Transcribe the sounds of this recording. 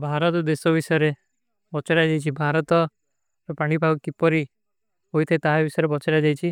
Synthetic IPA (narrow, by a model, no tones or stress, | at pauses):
bʱaɾɔt̪ɔd̪esɔbisɔjɔɾe | bɔt͡ʃaɾad͡ʒajt͡ʃʰibʱaɾɔt̪ɔ | ɾɔpaɽ̃ibʱaɡɔkipɔɾi | ɦojt̪ʰaet̪aɦabisɔjɾebɔt͡ʃaɾad͡ʒajt͡ʃʰi